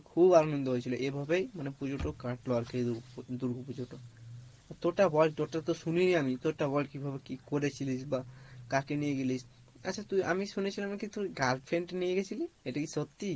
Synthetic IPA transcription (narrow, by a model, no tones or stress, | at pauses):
kʰubaɡnɔnd̪ɔɦojt͡ʃʰileʔebʱabemanepud͡ʒoʈokaʈlɔaɾked̪ud̪uɾɡopud͡ʒoʈo | at̪oʈabɔʈ̚d̪ɔʈaɾt̪ɔʃuniniamit̪oʈabɔʈkibʱabekikoɾet͡ʃʰilisbakakenijeɡelis | a̰ːt͡ʃʰat̪ujʔa̰miʃunet͡ʃʰilankit̪uiɡalbpʰeɳʈnijeɡet͡ʃʰilieʈakisɔt̪ːi